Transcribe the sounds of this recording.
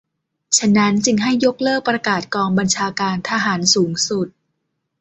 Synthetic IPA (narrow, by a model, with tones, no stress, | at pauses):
t͡ɕʰa˧na˦˥nt͡ɕɯ˧ŋɦa˥˩jːo˦˥k̚lɤː˥˩k̚pɾa˧kaː˨˩t̪̚kɔː˧ŋba˧nt͡ɕʰaː˧kaː˧nt̪ʰaː˧ɦaː˩˦nsuː˩˦ŋsu˨˩t̪̚